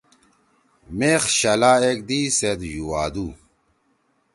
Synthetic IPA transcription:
meːχɕɐlaːek̚d̪iːsed̪juwaːd̪u

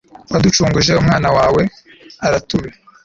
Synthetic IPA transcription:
wadut͡ʃuːŋɡuʒe̞umŋaːnawaːwe̞ | aɾatuɾe

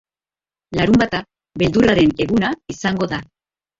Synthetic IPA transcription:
laɾumbat̪a | βe̞ld̪uraɾe̞ne̞ɣunaisaŋɡo̞ða

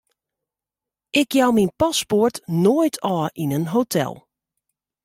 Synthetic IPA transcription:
ʔɪkjawminpasportnoːjtʰɔːʔinənɦotʰɛ̰lˠ

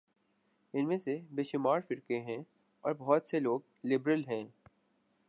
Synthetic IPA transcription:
ɪnmẽsebeːʃʊmaːɾfɪɾkeɦɛ̃ː | ɔːɾbɔɦt̪seloːɡ̚ | lɪbɾəlɦɛ̃ː

